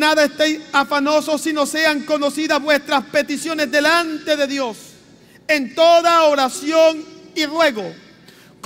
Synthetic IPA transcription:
naðaest̪ejsafanoso̞sːino̞se̞aŋko̞no̞siðaβwe̞st̪ɾaspe̞t̪isjo̞ne̞zðe̞lant̪e̞ðe̞ðjo̞s | e̞nt̪o̞ðaoɾasjo̞ŋirwe̞ɣo̞ | k

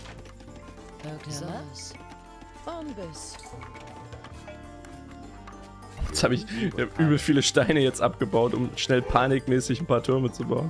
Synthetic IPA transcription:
nb | jɛt͡shaːbɪççaːbʔyːbl̩fiːləʃtaɪnəjɛt͡stʔa̰pɡ̥əbaʊtʔʊ̰mʃnɛlpʰaːnɪkmɛːsɪçn̩pʰaːɐtʰʏɐmət͡subaʊn

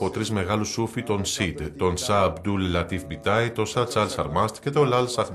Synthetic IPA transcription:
ot̪ɾizme̞ɣɐlusufit̪o̞nsid̪t̪o̞nsɐːbd̪ullɐt̪ifbit̪ɐit̪o̞sɐt͡sɐlsɐɾmɐst̪ce̞t̪olɐlsɐx

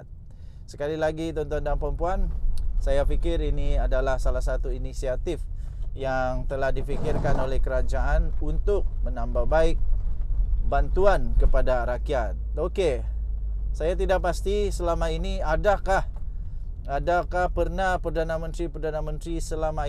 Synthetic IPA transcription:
t̪̚ | sə̥kalilaɡit̪ɔnt̪ɔndaŋpɾəmpuansajafikɪriniadalahsalasat̪uinisiat̪ɪfjaŋt̪əlahdifikɪrkanolɛhkəɾad͡ʒaʔanunt̪ʊk̚mənambahbaɪk̚ | bant̪uankəpadaɾakiat̪̚oke | sajat̪idaʔ̚past̪isəlamainiadakah | adakahpərnapərdanamənt̪ɾipərdanamənt̪ɾisəlama

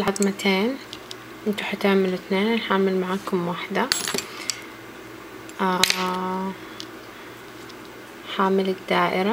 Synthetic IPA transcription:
lʕɑd̪ˤmat̪ʰeːn | ʔɪnt̪uħat̪aʕmːɪlɪθneːnʔanħaʕmɪlmaʕaːkʊmwaħd̪a | ʔa | ħaːmɪlɪkd̪aːʔɪɾa

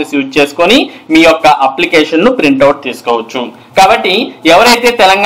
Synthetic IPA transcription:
ɐsjuːd͡ʒt͡ʃe̞ːsu̥konimiːjɔkːɐʔɐplikeːʂɐnnupɾiɳʈɐwuʈ̚t̪iːsu̥kɔːʋɐt͡ʃːu | kaːbɐʈːiɛʋɐɾɐjt̪e̞ːt̪ɛlɐŋɡ

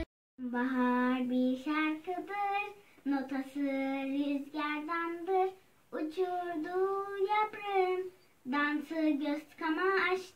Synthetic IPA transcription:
baɦaɾbiɾʃaɾkʰɯd̪ɯɾno̞t̪ʰasɯɾyzɟʲæɾd̪and̪ɯɾ | ut͡ʃʰuɾd̪ujapɾɯn | d̪ansɯɟøst̪kʰamaːʃ

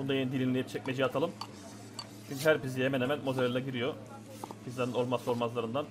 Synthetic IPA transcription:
bund̪ajend̪ilʲinlʲejip̚t͡ʃʰɛc̚ʲmed͡ʒijat̪ʰalˠɯm | ʃʰind̪ʲɦæɾpizijemɛnemænmozeɾʲlaɟiɾijo | pʰizlʲˠaɾnɯno̞lˠmasɯolˠmazlˠaɾɯnd̪an

